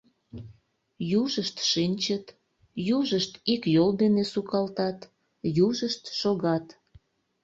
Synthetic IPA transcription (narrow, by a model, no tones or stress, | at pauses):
juʒəʃt̪ʃinʲt͡ɕət̪ | juʒəʃt̪ikjold̪enesukɑlt̪ɑt̪ | juʒəʃt̪ʃoɣɑt̪